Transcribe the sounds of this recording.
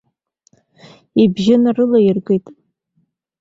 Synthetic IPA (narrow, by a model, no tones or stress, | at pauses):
ibʒɪnarɨlajɪrɡʷʼejtʼ